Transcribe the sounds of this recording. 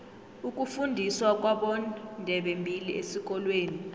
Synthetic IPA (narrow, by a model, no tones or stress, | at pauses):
uk̬ʼufundʱiswak̬ʼwaɓɔndʱɛɓembʱiliʔesik̬ʼɔlweːni